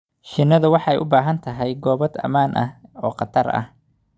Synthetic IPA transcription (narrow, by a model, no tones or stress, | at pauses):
ʃɪnːɐðʊwɑħɑɛ̰jʔʊbaːɦɐnt̪ʰɐɦɛjɡɔːβɐd̪ɐ̰maːnʔɐhɔːqɑt̪ʰɐrɐ̰h